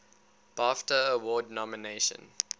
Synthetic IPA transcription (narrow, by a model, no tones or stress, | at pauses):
b̥ɑftəːwɔːdnɔmineɪʃə̰̃n